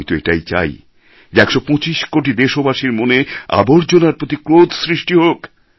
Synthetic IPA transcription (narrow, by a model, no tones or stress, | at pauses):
jt̪oeʈajt͡ɕa̰j | d͡ʑeɛkʃopɔ̃t͡ɕiʃkoʈ̬id̪eʃobaʃiɾmonea̰boɾd͡ʑonaɾpɾot̪̬ikɾod̪sɾiʃʈiɦok